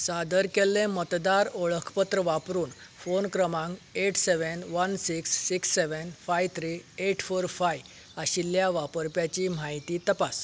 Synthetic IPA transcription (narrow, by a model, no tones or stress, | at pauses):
sad̪əɾkelːẽmət̪d̪aɾoɭəkʰpət̪ɾəʋapɾuːnfonkɾəmãŋɡeʈseʋənʋənsiksːiksːeʋənfajt̪ʰɾieʈʰfoɾfaj | aɕiljaʋapəɾpjat͡ɕim̤aɦit̪iːt̪əpas